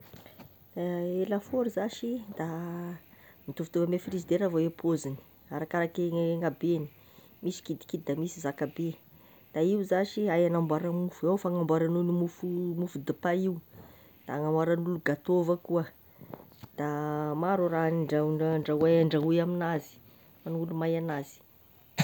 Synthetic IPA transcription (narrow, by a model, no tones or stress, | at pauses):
elafoɾizaʃid̪̥a | mit̪uvit̪ovamefiɾizd̪eɾavawepʰozini̥ | aɾakaɾakeŋabeni̥ | misi̥kid̪i̥kid̪̚d̪amisizakabe | d̪̥aiuzaʃiajanambwaɾamufuewfaŋambwaɾanunimufumufud̪ipaiu | d̪̥aŋamaɾanuluɡat̪ovəkuə | d̪̥amaɾoɾanɳɖ͡ʐaɳaɳɖ͡ʐawaaɳɖ͡ʐaujaminazi̥ | anulumajanaz̥i̥